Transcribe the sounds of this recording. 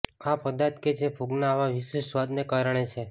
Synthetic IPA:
apəd̪at̪ket͡ʃʰepʰuɡnaːʋãʋiʃeʃsʋad̪nekaɾəɳ̃et͡ʃʰe

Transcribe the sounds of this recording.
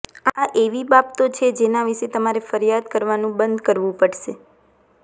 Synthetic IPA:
aʔeʋibabt̪ot͡ʃʰed͡ʒenaʋiʃet̪əmaɾefəɾijad̪kəɾʋanũbənd̪kəɾʋũpəɽʃe

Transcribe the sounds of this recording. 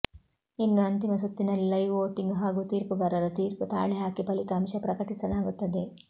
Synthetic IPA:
inːuɐnt̪imɐs̬ut̪ːinɐlɐjʋoːʈiŋɡɦaːɡut̪iːɾpuɡɐɾɐɾɐt̪iːɾput̪a̰ːɭiɦaːkipɐlit̪aːmʃɐpɾɐkɐʈisɐlaːɡut̪ːɐd̪e

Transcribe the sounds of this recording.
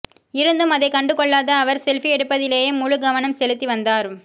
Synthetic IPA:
ɪɾɯnd̪ɯmɐðɐɪkɐɳɖɯkːɔɭːaːðɐːʋɐɾsɛlfiɛɽɯpːɐðɪleːjeːmʊɻɯɡɐʋɐnɐmsɛlɯt̪ːiʋɐnd̪aːɾɯm

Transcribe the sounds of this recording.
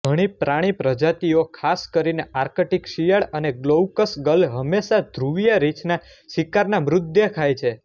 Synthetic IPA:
ɡʱəɽ̃ipɾaɽ̃ipɾəd͡ʒat̪iokʰaskəɾineaɾkəʈikʃijaɭəneɡlowkəsɡəlɦəmːeʃad̪ʱɾuʋjəɾit͡ʃna | ʃikaɾnamɾʊd̪jəkʰajt͡ʃʰe

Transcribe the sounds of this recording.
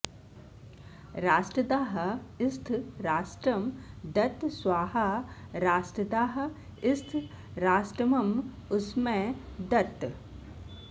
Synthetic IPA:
ɾaːsʈɾɐd̪aːɦɐɪst̪ʰɾaːsʈɾɐmd̪ɐt̪sʋaːɦɐɾaːsʈɾɐd̪aːɦɐ | ɪst̪ʰ | ɾaːsʈɾɐmɐm | ʊsmẽ | d̪ɐt̪

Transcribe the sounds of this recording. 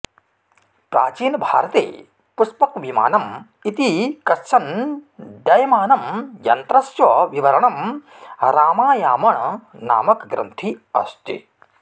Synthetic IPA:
pɾa̰ːt͡ʃiːnbʱa̰ːɾɐt̪ḛː | puspɐkʋima̰ːnɐm | it̪ikɐʃɐn | d̪ɐjɐmaːnɐmjɐ̰nt̪ɾɐsjɐʋiʋɐɾɐɳɐm | ɾaːmaːjaːmɐɳna̰ːmɐkɡɾɐ̰nt̪ʰiɐ̰st̪ḭ

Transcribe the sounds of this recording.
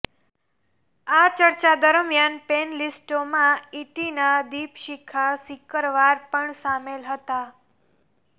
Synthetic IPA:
at͡ʃəɾt͡ʃad̪əɾəmjanpenlisʈomãiʈinad̪ipʃikʰasikəɾʋaɾpəɳsamelɦət̪a

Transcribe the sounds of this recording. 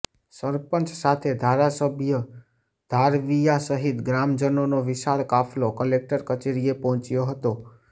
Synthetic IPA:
səɾpənt͡ʃsat̪ʰed̪ʱaɾasəbʱjə | d̪ʱaɾʋijasəɦit̪ɡɾamd͡ʒənonoʋɪʃaɭkapʰlokəlek̚ʈəɾkət͡ʃeɾiepɔɦɔ̃t͡ʃjoɦət̪o

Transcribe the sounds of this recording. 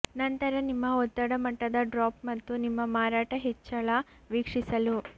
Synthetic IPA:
nɐnt̪ɐɾɐnimːɐɔt̪ːɐɽɐmɐʈːɐd̪ɐɖɾaːpmɐt̪ːunimːɐmaːɾaːʈɐɦet͡ʃːɐɭa | ʋikʂisɐlu

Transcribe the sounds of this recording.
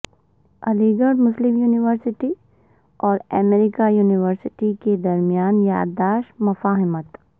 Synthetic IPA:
ɐliɡəɾɖmʊslɪmjuːnɪʋəɾsɪʈi | ɔːɾɛmeːɾɪkajuːnɪʋəɾsɪʈiked̪ɐɾmijaːnja̰ːdd̪aːʃmɐfaːɦɪmət̪

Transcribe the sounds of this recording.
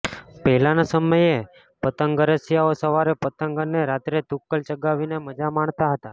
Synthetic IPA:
pɛɦlanasəməje | pət̪əŋɡəɾəsjaosəʋaɾepət̪əŋɡənːeɾat̪ɾed̪ukːəlt͡ʃəɡaʋineməd͡ʒamaɳt̪aɦət̪a

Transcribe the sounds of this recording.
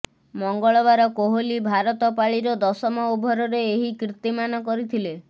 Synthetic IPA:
mɔŋɡɔɭɔβaɾɔkoɦolibʱaɾɔt̪ɔpaɭiɾɔd̪ɔsɔmɔubʱɔɾɔɾeːɦikɾit̪imanɔkɔɾit̪ʰile

